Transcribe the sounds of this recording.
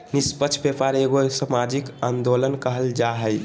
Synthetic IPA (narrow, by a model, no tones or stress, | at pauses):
nispət͡ʃʰbepaɾeɡosamad͡ʒikand̪olənkəɦəld͡ʒaɦəj